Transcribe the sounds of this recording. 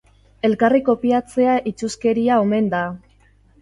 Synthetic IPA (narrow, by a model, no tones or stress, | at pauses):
e̞lkariko̞piat͡se̞aʔit͡suske̞ɾiao̞me̞nd̪a